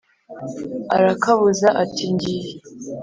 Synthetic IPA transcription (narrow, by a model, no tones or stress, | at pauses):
aɾakaβuzaʔatiɲɟije